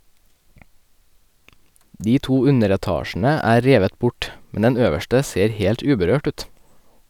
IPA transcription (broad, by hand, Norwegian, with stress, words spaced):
ˈdiː ˈtuː ˈʉnəɾɛˌtɑːʃn̩ə ˈæː ˈɾeːʋət ˈbʊʈ ˈmɛn ˈɛn ˈøːʋəʃʈə ˈseːɾ ˈheːlʈ ˈʉːbəɾøːʈ ˈʉːt